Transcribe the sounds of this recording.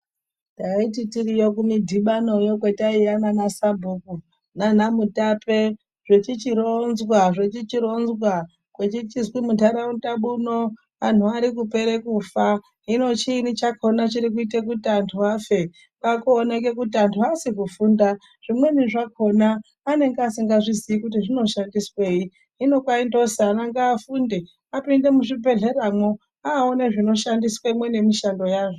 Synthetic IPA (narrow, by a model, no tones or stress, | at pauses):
daititiɾijokumidʱiɓano̞jok̬wetaijamanasabʱuku | nanamutape | ʐ̥et͡ʃit͡ʃiɾonzwaʐet͡ʃit͡ʃiɾo̞nzwa | kwet͡ʃit͡ʃizwimutaɾautaɓuno | an̤uaɾikupe̞ɾekufa | ɦino̞t͡ʃiːnit͡ʃakʰo̞nat͡ʃiɾik̬uitek̬utantʰuaːfe̞ | kakoːneke̞kutiantʰuasikufuːnda | ʐ̥imwe̞niʐakʰo̞naː | ne̞ŋɡeasiŋɡaʐiziikutiʐino̞ʃandiswe̞ji | ɦino̞kwaindo̞saːnaŋɡaːfunde | apinde̞muʐibʱe̞ɮe̞ɾamwo̞ | aoneʐino̞ʃandiswaimwe̞ne̞miʃando̞jaːʐo